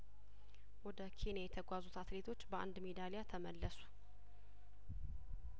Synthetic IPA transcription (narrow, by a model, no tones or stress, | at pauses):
wɔd̪əkʰe̞njajɛt̪ʰəɡʷazut̪at̪let̪ʰo̞t͡ʃːbəa̰nd̪med̪alejat̪ʰəməlːəsu̥